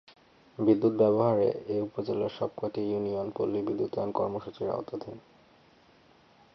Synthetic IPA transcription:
bid̪ːut̪bɛboɦaɾḛeupod͡ʑelːaɾʃɔb̚koʈijunionpolːibid̪ːut̪ɔonkɔɾmoʃut͡ɕiɾa̰ot̪ad̪ʱin

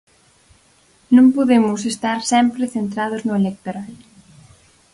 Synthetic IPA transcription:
nũmpoðemʊsest̪aɾsɛmpɾɪθent̪ɾaðʊznʊelek̚t̪oɾal

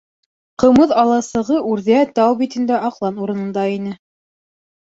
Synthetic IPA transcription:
qɤ̆mɤðɑlˠɑsɤ̆ʁɤʔʉɾðæt̪ɑwbit̪ɘ̆nd̪æʔɑqlˠɑnuɾɤ̆nɤ̆nd̪ɑinɘ

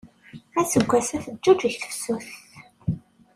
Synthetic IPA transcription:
æt͡sːəɡʷːæsæθəd͡ʒːud͡ʒiçθə̥fsuθ

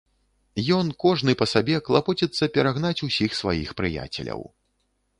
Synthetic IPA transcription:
jɔnkɔʐnɨpɐsabʲɛklˠapɔt͡sʲɛt̪sːɐpʲɛɾaɣnat͡sʲusʲixsva̰jixpɾɨja̰t͡sʲɛ̰lʲɐ̰w

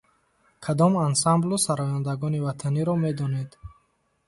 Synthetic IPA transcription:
kʰad̪ɔmansamblusaɾɔjand̪aɡɔnivat̪ʰaniɾɔme̞d̪ɔned̪

